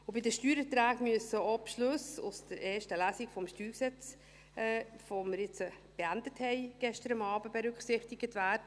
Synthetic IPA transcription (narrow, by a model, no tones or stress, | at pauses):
ʊbɪdəʃtyːɾət̪ɾæːɡmyəsəɔpʃløsʊ̰sd̥̪əɾeːʃtəlæsiɡfɔmʃtyːɾksɛt͡sː | foməɾjɪt͡sə | b̥eændəthɛɪɡ̥ɛʃtəɾəmɑːbəb̥eɾʉkχsɪχtiɡətvæːɾdə